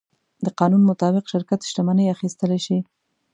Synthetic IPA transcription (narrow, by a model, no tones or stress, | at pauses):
d̪əqɑnunmʊt̪ɑbɪqʃɪɾkat̪ʃʈ̪amanəjaxist̪əleʃi